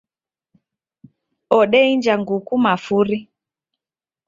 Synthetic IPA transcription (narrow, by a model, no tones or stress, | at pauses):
ɔɗɛind͡ʒaŋɡukumafuɾi